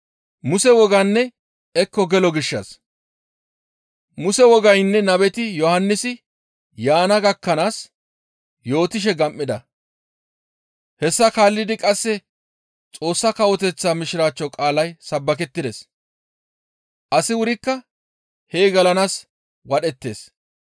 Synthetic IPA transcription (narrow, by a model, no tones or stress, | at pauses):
mʊsɛwɔɡɐnːɛ | ɛkːɔɡɛlɔɡɪʃːɐs | mʊsɛwɔɡɐjnːɛnɐbɛt̪ɪjɔhɐnːɪsɪ | jaːnɐɡɐkːɐnaːs | jo̞ːt̪ɪʃ̬ɛɡɐmʔːɪd̪ɐ | hɛsːɐkaːlːɪd̪ɪkʼɐsːɛ | t͡sʼo̞ːsːɐkɐwɔt̪ɛt͡sːaːmɪʃɪɾaːt͡ʃːɔkʼaːlɐjsɐbːɐk̬ɛt̪ːɪd̪es | ʔɐsɪwʊɾɪkːɐ | heːɡɐlɐnaːs | wɐɗɛt̪ːe̞ːs